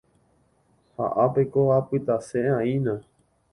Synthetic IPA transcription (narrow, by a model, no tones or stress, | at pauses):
ha̰ʔapekoapɨt̪asẽãĩnã